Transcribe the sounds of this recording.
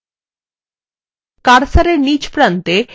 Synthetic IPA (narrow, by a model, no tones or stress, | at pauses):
kaɾsaɾeɾnid͡ʑpɾant̪e